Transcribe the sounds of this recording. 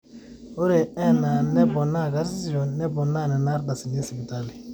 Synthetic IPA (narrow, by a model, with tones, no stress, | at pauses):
o˦ɾe˨ɛ˦na˨nɛ˦bɔ˨na˦˨ɡa˦ɾi˦si˦d͡ʒɔ˨nɛ˦bɔ˨na˦˨nɛ˨na˦ɾda˨si˨ni˦si˨bi˨ta˦li˨